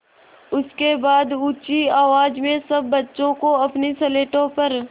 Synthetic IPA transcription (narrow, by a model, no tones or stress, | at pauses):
ʊskebaːd̪uːt͡ʃiaːʋaːd͡ʒmẽsɐbːɐtːʃõkoɐpniseleːʈõpɐɾ